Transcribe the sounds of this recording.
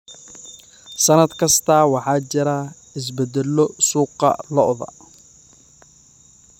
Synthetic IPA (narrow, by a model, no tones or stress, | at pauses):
sɐnɐd̪kʰɐst̪ʰɐːwɑħɑːt͡ʃɪɾa | ɪs̬bɛd̪ɛlɔsuːqɑ̰lɔʔðɐ̰